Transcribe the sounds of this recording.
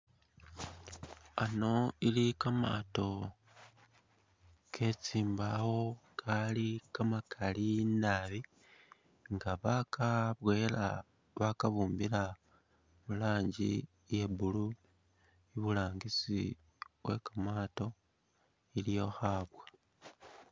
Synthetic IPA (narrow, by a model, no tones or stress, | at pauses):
ano̞ilikama̰ːto̞ | kʰe̞t͡siːmbawo̞kʰalikamakʰalinaβi | ŋɡaβakaβwe̞ːla̰ | βakaβuːmbila | mulaːɲɟḭ | je̞bulu | iβulaːŋɡisi | we̞kamaːto̞ | ilijo̞xaːβwa